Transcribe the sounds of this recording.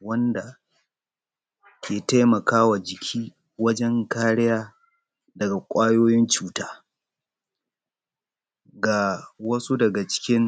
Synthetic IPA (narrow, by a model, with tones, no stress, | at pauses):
wɐ˦nda˨ | jʲeː˨ta˦jmɐ˨kaː˦wa˨d͡ʒɪ˨kʲʰiː˦ | wɐ˦d͡ʒɛ˦ŋkaː˦ɽɪ˦jaː˦ | dɐ˨ɡa˨kʷʼaː˦joː˦jɪ˦nt͡ʃuː˦taː˦ | ɡa˨wɐ˦su˦dɐ˨ɡa˨t͡ʃɪ̥˦kʲɪ˦ŋ